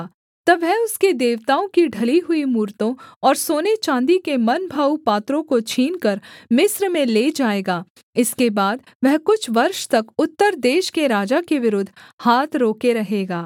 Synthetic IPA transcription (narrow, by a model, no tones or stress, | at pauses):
t̪ɐbɛʊsked̪eːʋt̪aːõkiɖʱɐliɦʊimuːɾt̪õɔːɾsoːnet͡ʃãːnd̪ikemɐnbʱaːupaːt̪ɾõkot͡ʃʰiːnkɐɾmɪsɾmẽleːd͡ʒaːeːɡaː | ɪskebaːd̪̚ | ʋɛɦkʊt͡ʃʰʋɐɾʃt̪ɐkʊt̪ːəɾd̪eːʃkeɾaːd͡ʒakeʋɪɾʊd̪ʱːhaːt̪ʰɾoːkeɾɐɦeːɡaː